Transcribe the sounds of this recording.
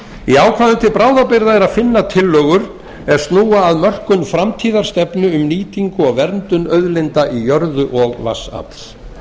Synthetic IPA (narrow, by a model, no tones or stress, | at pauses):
iaːwkʰvaðʏnt̪ʰɪlpɾaːwðapɪɾðaɛɾaðfɪnːat̪ʰɪlːœːɣʏɾ | ɛɾ̥st̪nuːaːðmœr̥kʏnfɾamt̪ʰiːðaɾ̥st̪ɛpnʏʏmniːt̪iŋkʏɔɣvɛɾnt̪ʏnœɥðlɪnt̪aʔijœɾðʏʔɔɣva̰sa̰p̪l